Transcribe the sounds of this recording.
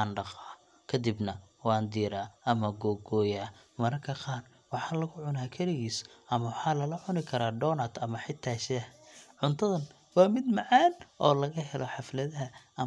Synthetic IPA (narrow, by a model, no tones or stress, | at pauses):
aːnɖɑqɑː | kʰɐd̪ɪbnɐ | wɑːnd̪iːɾaːɐmɐɡɔːɡɔːjaː | mɐɾɐkʰɐqɑːr | wɑħɑːlɐɣʊʕʊnaːkʰɐlɪɣiːsɐmɐwħɑːlɐlɐʕʊnɪkʰɐɾaːɖɔːnɐd̪ɐmɐħɪt̪ʰːaːʃɛɐʕʊnt̪ʰɐðɐn | wɑːmɪd̪mɑʕaːnʔɔːlɐɣɐɦɛlʔɔħɑflɐðɐɦɐɐ